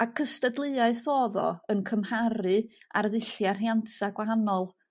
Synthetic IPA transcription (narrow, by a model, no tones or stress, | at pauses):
akʰəstədlˠɨaɨθɔːðɔ̰ənkʰəmhaɾɨarðɨɬjar̥jantʰaɡ̥waɦanɔlˠ